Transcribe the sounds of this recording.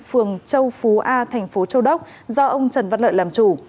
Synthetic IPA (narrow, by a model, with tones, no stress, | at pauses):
fɨ˨˩əŋt͡ɕə˧wfu˨˦ʔaː˧t̪ʰɛ˨˩jŋ̟fo˨˦t͡ɕə˧wɗə˦˥k͡p̚ | zɔ˧ʔə˧wŋ͡mt͡ɕə˨˩nva˧˥t̚lə̰ː˧˨jlaː˨˩mt͡ɕu˧˩